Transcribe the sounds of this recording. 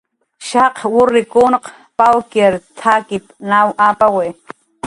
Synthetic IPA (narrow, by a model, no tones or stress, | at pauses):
ʃaqwʊɾɪkʊnq | pawkeɾt̪ʰakɪpnawʔapawe